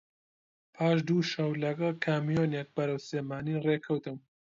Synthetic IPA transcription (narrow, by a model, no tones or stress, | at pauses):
pʰaːʃ̬d̪uːʃɐwlɐɡɐlkʰaːmijoːnek̚bɐɾɐwseːmaːnireːkʰɐwt̪ɨm